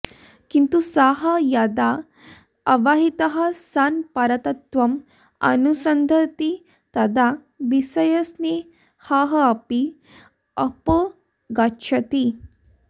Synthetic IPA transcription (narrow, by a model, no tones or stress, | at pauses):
kint̪usaɦɐjad̪aː | ʋaɦit̪ɐɦɐsanpaɾɐt̪ɐt̪ʋɐm | ɐ̰nusɐnd̪ʱəɾt̪i | t̪ɐd̪a | bisɐjɐsne | haɦɐɐpi | ɐpə | ɡaɕʰɐt̪i